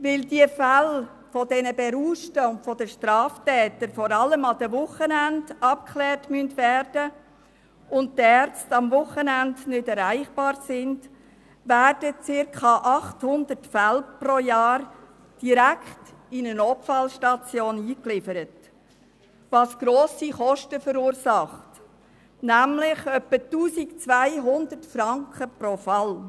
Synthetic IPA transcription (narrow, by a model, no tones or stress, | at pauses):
ʋɪldiəfæl | fɔdɛnəbɛɾuːʃtəʊntfɔdəʃtɾɑːftɛːtəɾfɔɾɑləmɑd̥̪əvʊχənændɑp̚kʰχlɛːrtmyəntʋæːɾd̥ə | ʊnttæɾt͡stɑmvʊχənændnʏdɛɾæɪχb̥ɑːɾsɪnd̥ | ʋæːrd̥ət͡sɪɾkʰχɑʔɑχthʊnd̪ətfælprojɑːɾ | d̥iɾækχtɪnənɔpfɑlʃtɑt͡sjoːniːklɪfəɾət | ʋɑːsɡ̥ɾoːsiχɔʃtəfəɾuːɾsɑχt | næmlɪχœpːətuːsikt͡sʋæɪɦʊnd̪ətfɾɑŋkχəprofɑl